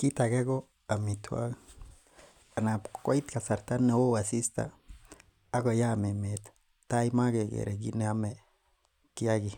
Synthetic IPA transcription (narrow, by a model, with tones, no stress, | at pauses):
ki˦t̪a˨ɡe˦ɡo˦ | a˨mi˨t̪ʰwa̰˦ | a˨na˨pko˦it̪ka˨sa˨ɾt̪a˦nːe˨wo˦wa˨si˦st̪a̰ː˨˦ | ɡo˨ja˦˨me˨met̪ | ta˦ima˦ɡe˨ɡḛ˨ɾḛ˨ɡ̬ḭ˦ne˦a˦me˨ | ki˦a˦ɡi˨